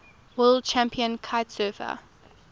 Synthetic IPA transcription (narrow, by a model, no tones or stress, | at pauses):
wəld̚t͡ʃʰæ̃mpʰiə̃nkʰaɪtsɜːfə̰